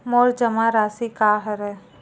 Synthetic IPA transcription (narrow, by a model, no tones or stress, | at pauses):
mɔːɾd͡ʒɐmaɾaːsikaːɦəɾɛ